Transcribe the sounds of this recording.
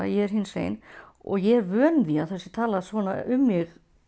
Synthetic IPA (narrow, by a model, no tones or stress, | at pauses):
a̰jɛɛɾ̥ɦinsvḛːjn | ɔ̰ɣjɛɛɾvœːnviaðθɛsːɪ̥t̪ʰaːlasvɔːna̰ʔʏmːɪɣ